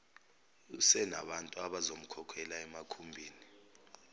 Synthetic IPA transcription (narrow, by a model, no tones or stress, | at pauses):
usɛna̰ɓantʼuaɓazom̩kʰɔkʰɛlaɛmakʰumbʱiːni